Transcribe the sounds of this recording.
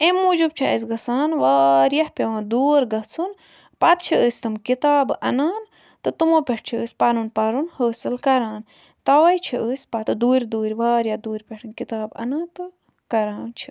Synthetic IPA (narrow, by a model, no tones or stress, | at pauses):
emud͡ʒub̚t͡ʃʰiə̰s̬ʲɡɐsaːnʋaːɾjɐhpeʋãːd̪uːɾɡɐt͡sʰun | pɐt̪̚t͡ʃʰiəːsʲt̪ɨmkit̪aːbɐ̰naːn | t̪ɨt̪ɨmoːpʲeʈ̚ʰt͡ʃʰiəːsʲpɐnunpɐɾunhəːsɨlkɐɾaːn | t̪ɐʋɐjt͡ʃʰiʔəːsʲpɐt̪ɨd̪uːɾʲd̪uːɾʲʋaːɾjɐd̪uːɾʲpʲeʈʰɨnkit̪aːbɐ̰nãːnt̪ɨ | kɐɾaːnt͡ʃʰi